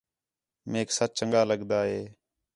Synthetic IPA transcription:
meːksət͡ʃ̚t͡ʃəŋɡaːləɠd̪aːɦeː

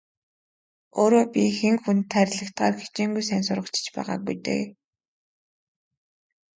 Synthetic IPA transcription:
oːɾoːpʲixeŋxunt̪ʰːæɾʲɮə̆kt̪ɢaːrxe̥t͡ɕeːŋɡujsænsʊrʁə̆kt͡ɕʰɪ̥̆t͡ɕpæ̰ːʁa̰ːk̚bujt̪ɘ̰

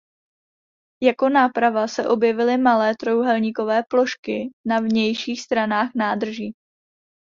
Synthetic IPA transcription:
jako̞naːpɾavasɛʔo̞bjɛvɪlɪmalɛːt̪ɾo̞wɦɛlɲiːko̞vɛːplo̞ʃkɪnavɲɛjʃiːxst̪ɾanaːxnaːd̪r̩ʒiː

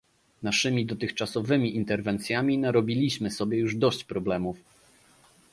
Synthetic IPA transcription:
naʂɘmʲid̪ɔt̪ɘxt͡ʂasɔvɘmʲiʔint̪ɛɾvɛnt̪sʲjamʲinaɾɔbʲilʲiɕmɘsɔbʲjɛjuʐd̪ɔɕt͡ɕpɾɔblɛmuf

